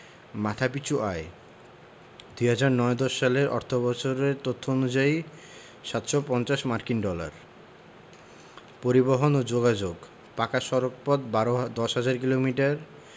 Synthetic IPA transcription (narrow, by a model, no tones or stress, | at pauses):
mat̪ʰapit͡ɕʰuʔae | d̪ujɦad͡ʑaɾnɔed̪ɔʃːaleɾʔɔ̰ɾt̪ʰobɔt͡ɕʰoɾeɾt̪ot̪ʰːoonud͡ʑai | ʃat̪ʃopɔnt͡ɕaʃmaɾkinɖɔla̰ɾ | poɾiboɦonod͡ʑoɡad͡ʑoɡ | pakaʃɔɾok̚pɔd̪od̪ɔʃɦad͡ʑaɾk̬ilomiʈaɾ